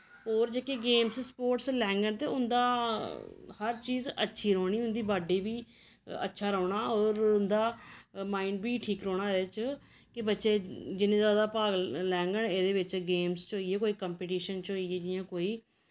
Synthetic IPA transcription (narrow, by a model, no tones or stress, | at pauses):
oːɾd͡ʒeːkeɡeːmsspoːʈslɛːŋɡəɳt̪eːʊnd̪aː | həɾt͡ʃiːzə̰tːʃʰiːɾoːɽ̃iːɦʊ̃nd̪iːbaːɖiːbiː | ə̰tːʃʰaːɾɔːɳaːɔːɾʊnd̪aːmaːiɳɖbiːʈʰiːkɾɔːɽ̃aːeːt͡ʃ | kɪbətːʃeːd͡ʒɪnẽːzaːd̪aːpaːɡlɛːŋɡəɳeːd̪eːʋɪt͡ʃɡeːmst͡ʃɦoːijeːkoːiːkəmpeːʈiːʃənt͡ʃɦoːieːd͡ʒɪjãːkoːiː